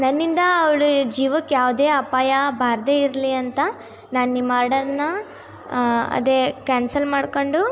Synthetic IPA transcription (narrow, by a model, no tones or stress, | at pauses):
nɐnːind̪ɐːʋɐɭud͡ʒiːʋɐkːjaːʋd̪eːɐpaːjɐbʱaːɾd̪eːiɾliɐnt̪ɐ | naːnimaːɾɖɐɾnːɐ | ɐ̰d̪ekaːnsɐlmaːɽko̞ɳɖu